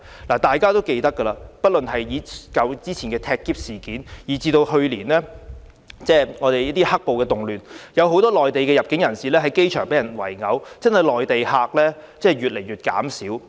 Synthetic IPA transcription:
laː˨˩t̪aː˨jkaː˥t̪o˥wke˧jt̪ɐ˥kːə˧laː˧pɐ˥t̚lɵ˨nɦɐ˨jjiː˨˧kɐ˨˧wt͡siː˥t͡sʰiː˨˩nkɛː˧t̪ʰɛː˧kːiː˥p̚siː˨˩kiː˨˥njiː˨˩t͡siː˧t̪o˧whɵ˧ɥliː˨˩nlɛː˥ | t͡sɛː˥˩ŋɔː˨˧t̪e˨jɐ˥t̪iː˥hɐ˥k̚po˨wkɛː˧t̪ʊ˨ŋlyː˨njɐ˨˧wɦo˨˥wt̪ɔː˥lɔː˨jt̪e˨jkɛ˧jɐ˨p̚kɪ˨˥ŋjɐ˨˩nsiː˨lɛː˥ɦɐ˨˥jke˥jt͡ʃʰœː˨˩ŋpe˨˥jɐ˨˩nwɐ˨˩jŋɐ˨˧wt͡sɐ˥nhɐ˨jlɔː˨jt̪e˨jhaː˧k̚lɛː˥t͡sɛː˥˩˨ɥyː˨t̚le˨˩jɥyː˨t̚ka̰ː˨˥msiː˨˥w

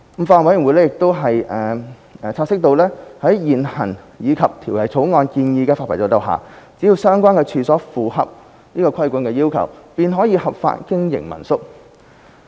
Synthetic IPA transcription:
m̩˨˩faː˧˨wɐ˨˥jɪ˨˩ŋwu˨˧jlɛ˥jɪ˨k̚t̪o˥wɦɐ˨jɛː˨ | t͡sʰaː˧t̚sɪ˥k̚t̪o˧wlɛː˥hɐ˨˥jjiː˨˩nhɐ̰˨˩n | jiː˨˧kʰɐ˨p̚t̪ʰiː˨˩wlɐ˨jt͡sʰo˨˥wŋɔː˧nkiː˧njiː˧kɛː˧faː˧t̚ʰɐ˨˩t͡sɔː˨˧˩t̪ɐ˨wɦa̰ː˨t͡si˨˥jiː˧wsœː˥ŋkʷaː˥nkɛː˧t͡ʃʰyː˨sɔː˨˥fuː˨˩ɦɐ̰˨p̚ | niː˥kɔː˧kʷʰɐ˥jkʷu˨˥nkɛː˧jiː˥wkʰɐ̰˨˩wpiː˨nɦɔː˨˥jiː˧hɐ˨p̚fa̰ː˧t̚kɪ˥ŋjɪ̰˨˩ŋmɐ̰˨˩nsʊ˥k̚

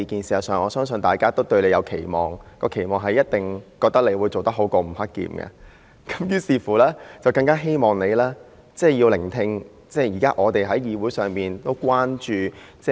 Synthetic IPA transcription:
i˧kiː˨nsiː˨ɐ˨wsœː˨˩ŋʔɔː˨˧sœː˥ŋsɵ˧nt̪aː˨˩jkaː˥t̪o˥wt̪ɵ˧ɥle˨˧jɐ˨˧wkʰe˨˩jmɔ̰ː˨˩ŋkɔː˧kʰe˨˩jmɔː˨ŋɦɐ˨jːɐ˥t̚t̪ɪ˨ŋkɔː˧k̚t̪ɐ˥k̚le˨˧wuː˨˧jt͡so˨wt̪ɐ˥k̚ɦo˨˥wkɔː˧m̩˨˩hɐ˥k̚ːḭː˧mɡɐ̰˧ | kɐ˨˥mjyː˨˥siː˨˧fuː˨˩lɛː˥t͡sɐ˨wkɐ˧ŋkaː˥ɦe˥jmɔː˨˩ŋne˨˧laː˥ | t͡sɛː˥˩jiː˧wlɪ˨˩ŋt̪ʰɪ˧ŋ | t͡sɛː˥˩jiː˨˩kaː˦˥ʔɔː˨˧t̪e˨jɦɐ˨˥jiː˨˧wu˨˥jsœː˨˩ŋpiː˨˩nt̪o˥wkʷaː˥nt͡ʃyː˨˧t͡sɛ˥

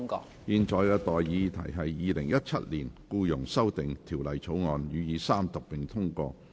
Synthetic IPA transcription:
ŋkɔ̰ː˧ | jiː˧nt͡ʃɔː˨˧jkɛː˧t̪ɔː˨˩jːiː˨˧t̪ʰɐ̰˨˩jɦɐ˨jːiː˨˧lɪ˨˩ŋjɐ˥t̚t͡ʃʰɐ˥t̚liː˨˩nkuː˧jʊ˨˩ŋsɐ˥wt̪ɪ˨ŋt̪ʰiː˨˩wlɐ˨jt͡sʰo˨˥wŋɔː˨njyː˨˧jiː˨˧saː˥mt̪ʊ˨k̚pɪ˨ŋt̪ʰʊ˥ŋkɔ̰ː˧

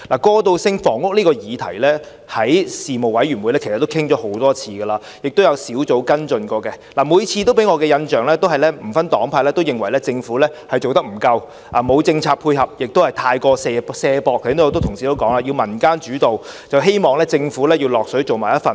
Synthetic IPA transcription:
laː˨˩kɔː˧t̪o˧wsɪ˥ŋfɔː˨˩ŋʊ˥k̚niː˥kɔː˧jiː˨˧t̪ʰɐ̰˨˩jlɛː˥ | hɐ˨˥jsiː˨mo˨wɐ˨˥jɥyː˨˩nmwjlɛː˥kʰst̪ːo˥kʰɪ˥ŋt͡ʃɔː˨˥ho˨˥wt̪ɔː˥t͡sʰiː˧ɡɐ˧laː˧ | jɪ˨k̚t̪o˥wjɐ˨˧wsiː˨˥wt͡so˨˧˥wkɐ˥nt͡sɵ˧nkɔː˧kɛ˧laː˨˩muː˨˧jt͡sʰiː˧t̪o˥wpe˨˥jŋɔː˨˧kɛː˧jɐ˧nt͡ʃœː˨ŋlɛː˥t̪o˥wɦɐ˨jlɛː˥m̩˨˩fɐ˥nt̪ɔː˨˥ŋpʰaː˧lɛ˥t̪o˥wjɪ˨ŋwɐ˨˩jlɛː˥t͡sɪ˧ŋfuː˨˥lɛː˥hɐ˨jt͡so˨wt̪ɐ˥k̚m̩˨˩kɐ˧w | ʔaː˨mo˨˧wt͡sɪ˧ŋt͡sʰaː˧pʰuː˧jɦɐ˨p̚jɪ˨k̚t̪o˥whɐ˨jt̪ʰaː˧jkɔː˧sɛ˧sɛː˧pɔː˧k̚ːʰnː˥˧jt̪wt̪ʰʊ˨˩ŋsiː˨t̪o˥wkɔː˨˥ŋlaː˧ji˧wmɐ˨˩nkaː˥nt͡ʃyː˨˥t̪o˨wt͡sɐ˨wɦe˥jmɔː˨˩ŋlɛː˥t͡sɪ˧ŋfuː˨˥lɛː˥ji˧wlɔː˨k̚sɵ˨˥jt͡so˨wmaː˨˩jɐ˥t̚fɐ˨n

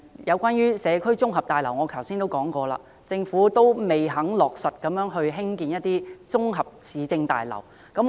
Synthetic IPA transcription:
jɐ˨˧wkʷaː˥njyː˥sɛː˨˧kʰɵ˥ɥt͡sʊ˥ŋɦɐ˨p̚t̪aː˨jlɐ˨˩wŋɔː˨˧kʰɐ˨˩wsiː˥nt̪o˥wkɔː˨˥ŋkɔː˧la̰ː˧ | t͡sɪ˧ŋfuː˨˥t̪o˥wme˨jɦɐ˨˥ŋlɔː˨k̚sɐ˨t̚kɐ˨˥mjœː˨˥ŋɦɵ˧ɥɦɪ˥ŋkiː˧njɐ˥t̚t̪iː˥t͡sʊ˥ŋɦɐ˨p̚t͡sʰiː˨˥t͡sɪ˧ŋt̪a̰ː˨jlɐ̰˨˩w | kɐ˨˥m

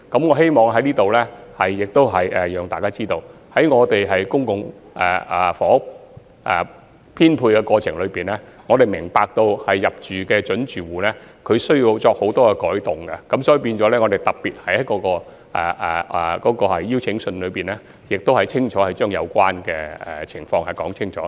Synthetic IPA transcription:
kɐ˨˥mŋɔː˨˧ɦe˥jmɔː˨ŋɦɐ˨˥jniː˥t̪o˨wlɛː˥hɐ˨jːɪ˨k̚t̪o˥wɦɐ˨˩jʔɛː˨jœː˨ŋt̪aː˨jkaː˥t͡siː˥t̪o˧w | hɐ˨˥jŋɔː˨˧t̪e˨jɦɐ˨jkʊ˥ŋkʊ˨ŋ | ʔɛ̰ː˨fɔː˨˥ | ʔɛ̰ː˨˩ | pʰiː˥npʰuː˧jkɛː˧kɔː˧t͡ʃʰɪ˨˩ŋlɵ˨˧ɥpiː˨˩nlɛː˥ŋɔː˨˧t̪e˨˩jmɪ˨˩ŋpaː˨˧k̚t̪o˧whɐ˨jːɐ˨p̚t͡ʃyː˨kɛː˧t͡ʃɵ˨˥nt͡ʃyː˨wuː˨˩lɛː˥ | kʰɵ˨˧sɵ˥ji˧wt͡sɔː˧k̚ho˨˥wt̪ɔː˥kɛ˧kɔː˨˥jt̪ʊ˨ŋɡɐ˧kɐ˨˥msɔː˨˥ji˨˧piː˧nt͡ʃɔː˨˥lɛː˥ŋɔː˨˧t̪e˨˩jt̪ɐ˨k̚piː˨t̚hɐ˨˧jkɔː˧˥kɔː˧ | ʔɛ̰ː˨˩ʔɛ˨˩kɔː˨˥kɔː˧hɐ̰˨jːiː˥wt͡sʰɪ˨˥ŋsɵ˧nlɵ˨˧ɥpiː˨nlɛː˥ | jɪ˨k̚t̪o˥whɐ˨˩jt͡sʰɪ˥ŋt͡ʃʰɔː˨˥hɐ˨jt͡ʃœː˥ŋjɐ̰˨˧wkʷaː˥nkɛː˧ɛ̰˨˩t͡ʃʰɪ˨˩ŋfɔː˧ŋhɐ˨˩jkɔː˨˥ŋt͡sʰɪ˥ŋt͡ʃʰɔː˨˥

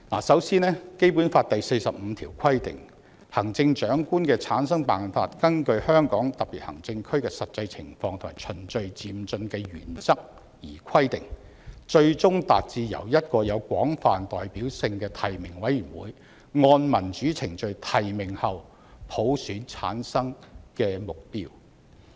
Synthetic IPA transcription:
la̰ː˨˩sɐ˨˥wsiː˥nɛː˥ke˥jpu˨˥nfaː˧t̚t̪ɐ˨jse˧jsɐ˨p̚m̩˨˧t̪ʰiː˨˩wkʰɐ˥jt̪ɪ̰˨ŋ | hɐ˨˩ŋt͡sɪ˧ŋt͡ʃœː˨˥ŋkuː˥nkɛː˧t͡sʰaː˨˥ns̬ɐ˥ŋpaː˨˩nfa̰ː˧t̚kɐ˥nkɵ˧ɥhœː˥ŋkɔː˨˥ŋt̪ɐ˨k̚pi˨t̚hɐ̰˨˩ŋt͡sɪ˧ŋkʰɵ˥ɥkɛː˧sɐ˨t̚t͡sɐ˧jt͡sʰɪ̰˨˩ŋfɔː˧ŋt̪ʰʊ˨maː˨˩t͡ʃʰɵ˨˩nt͡ʃɵ˨˧ɥt͡siː˧mt͡sɵ˧nkɛː˧ɥyː˨˩nt͡sɐ˥k̚ | jiː˨˩kʰɐ˥jt̪ɪ˨ŋ | t͡ʃɵ˧ɥt͡sʊ˥ŋt̪a̰ː˨t̚t͡siː˧jɐ̰˨˩wjɐ˥t̚kɔː˧jɐ˨˧wkʷɔː˨˥ŋfaː˨nt̪ɔː˨jpiː˨˥wsɪ˧ŋkɛː˧t̪ʰɐ˨jmɪ˨˩ŋwɐ˨˥jyː˨˩nwṵː˨˥j | ŋɔː˧nmɐ˨˩nt͡ʃyː˨˥t͡sʰɪ˨˩ŋt͡ʃɵ˨˧ɥt̪ʰɐ˨jmɪ˨˩ŋhɐ˨w | pʰo˨˥wsyː˨˥nt͡sʰa̰ː˨˥nsɐ˥ŋkɛː˧mʊ˨k̚pḭː˥w

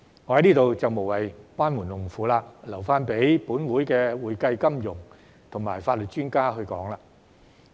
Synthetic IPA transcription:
ŋɔ˨˧hɐ˨˦jniː˥t̪o˨wt͡sɐ˨wmo˨˩wɐ˨jkwaː˥nmuː˨˩nlʊ˨˩ŋfuː˨˧laː˧lɐ˨˩wfaː˥npe˨˥jpuː˨˥nwuː˨˥jkɛː˧wuː˨jkɐ˧jkɐ˥mjʊ˨˩ŋ | t̪ʰʊ˨˩ŋmaː˨˩jfaː˧t̚lɵ˨t̚t͡ʃyː˥nkaː˥ɦɵ˧ɥkɔː˨˥ŋlaː˧

